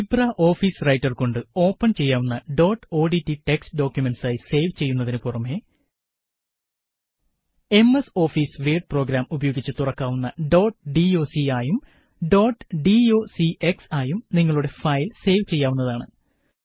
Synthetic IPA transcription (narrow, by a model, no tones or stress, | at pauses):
ibraʔo̞ːfiːsrɐjtːɐrko̞ɳɖɨo̞ːpːɐnt͡ɕe̞jːaːʋunːɐɖo̞ːʈːo̞ːɖitːiʈe̞kstɖo̞ːkʲjumensaːjise̞jʋt͡ɕe̞jːunːɐðinɨpurɐmːe | e̞meso̞ːfiːsʋeːɖɨpro̞ːɡɾaːmubɐjo̞ːɡit͡ɕːɨt̪urɐkːaːʋunːɐɖo̞ːʈɖio̞ːsiaːjum | ɖo̞ːʈːɨ̥ɖio̞ːsiʔeksaːjumniŋːɐɭuɽe̞fɐjlse̞ːʋt͡ɕe̞jːaːʋunːɐðaːɳɨ